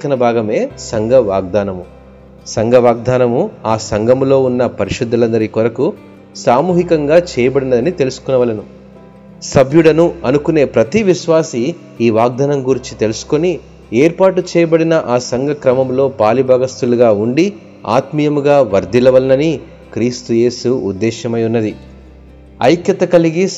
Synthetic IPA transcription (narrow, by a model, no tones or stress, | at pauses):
kɐnɐbʱaːɡɐme̞ːsɐŋɡɐʋaːɡ̚d̪aːnɐmu | sɐŋɡɐʋaːɡ̚d̪aːnɐmuaːsɐŋɡɐmlo̞ːunːɐpɐɾiʃud̪ːɐlɐnd̪ɐɾikɔɾɐku | saːmuːɦikɐŋɡaːt͡ʃɛːjɐbɐɽinɐd̪ɐnit̪e̞lusu̥kunɐʋɐlɐnu | sɐbʱjuɽɐnuɐnukune̞ːpɾɐt̪iʋiʃʋaːsi | iːʋaːɡ̚d̪ʱɐnɐmɡuɾit͡ʃi̥t̪e̞lusu̥koni | eːɾpaːʈut͡ʃɛːjɐbɐɽinɐʔaːsɐŋɡʱɐkɾɐmɐmlo̞ːpaːlibʱaːɡɐst̪uluɡaːuɳɖi | a̰ːt̪mijɐmuɡaːʋɐɾd̪ilɐʋɐlɐnɐni | kɾiːst̪uje̞ːsuṵd̪ːɛːʃɐmɐjunːɐd̪i | ɐ̰jkjɐt̪ɐkɐliɡi